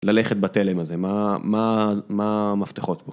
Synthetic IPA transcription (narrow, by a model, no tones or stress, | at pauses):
laleχet̪̚bat̪elemazemamamamaft̪eχo̞t̪bo